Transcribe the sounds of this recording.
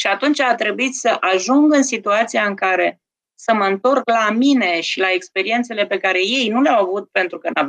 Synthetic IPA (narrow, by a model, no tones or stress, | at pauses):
ʃiat̪unt͡ʃat̪ɾe̞buit̪səʔaʒuŋɡɨnsit̪uat̪sijaɨŋkaɾe̞ | səməɨnt̪o̞rklamine̞ʃilae̞kspe̞ɾie̞nt̪se̞le̞pe̞kaɾe̞je̞jnuleawavut̪̚pe̞nt̪ɾukənav